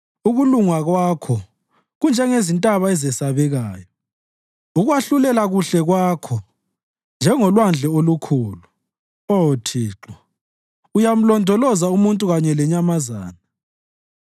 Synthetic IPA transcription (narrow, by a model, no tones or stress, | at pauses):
uɣuluŋaɣwaːkʰɔ | ɣund͡ʒʱɛŋezintʼaβaɛzɛsaβɛɣaːjɔ | uɣwaɬulɛlaɣuɬɛɣwaːkʰɔ | nd͡ʒʱɛŋɔlwand͡ɮʱɛolukʰuːlu | otʰiːǁɔ | ujam̩lɔndʱɔlɔzaumuntʼuɣaɲɛlɛɲamaza̰ːna